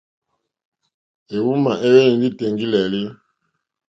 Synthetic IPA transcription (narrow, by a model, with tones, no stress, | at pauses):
e˨wu˦ma˨ʔe˦we˦ni˨ndi˦te˨ŋɡi˦lɛ˨li˦